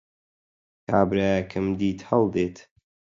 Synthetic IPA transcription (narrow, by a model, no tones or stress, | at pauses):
kʰaːbɾakʰɨmd̪iːt̪hɐlˠd̪eːt̪